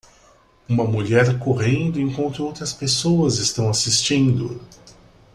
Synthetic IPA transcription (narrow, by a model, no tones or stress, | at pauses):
ũmɐmuʎɛɾkoʁẽnd̪ʊẽkõnt̪ɾʊowt̪ɾɐspesowɐzɪst̪ɐ̃w̃asist͡ʃĩnd̪ʊ̰